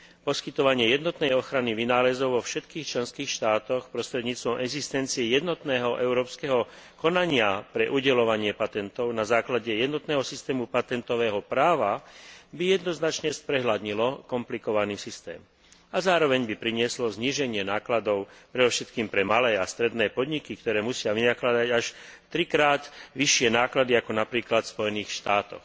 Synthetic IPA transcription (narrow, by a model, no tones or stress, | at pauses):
pɔskit̪ɔʋaɲɪɛjɛd̪nɔt̪nɛjɔxɾaniʋinaːlɛzɔʊʋɔfʃɛt̪kiːxt͡ʃlɛnskiːxʃt̪aːt̪ɔxpɾɔst̪ɾɛd̪ɲiːt͡st̪ʋɔmʔɛɡzist̪ɛnt͡siɛjɛd̪nɔt̪nɛːɦɔʔɛʊɾɔːpskɛɦɔ | kɔnaɲɪapɾɛʔuɟɛlɔʋaɲɪɛpat̪ɛnt̪ɔʊnazaːklaɟɛjɛd̪nɔt̪nɛːɦɔsist̪ɛːmupat̪ɛnt̪ɔʋɛːɦɔpɾaːʋabijɛd̪nɔznat͡ʃɲɛspɾɛɦlad̪ɲilɔkɔmplikɔʋaniːsist̪ɛ̰ːm | azaːɾɔʋɛɲbipɾiɲɪɛslɔzɲiːʒɛɲɪɛnaːklad̪ɔʊpɾɛd̪ɔfʃɛt̪kiːmpɾɛmalɛːast̪ɾɛd̪nɛːpɔd̪ɲikik̚t̪ɔɾɛːmusɪaʋinaklad̪aɟaʃt̪ɾikɾaːd̪ʋiʃɪɛnaːklad̪iakɔnapɾiːklat̪fspɔjɛniːxʃt̪aːt̪ɔ̰x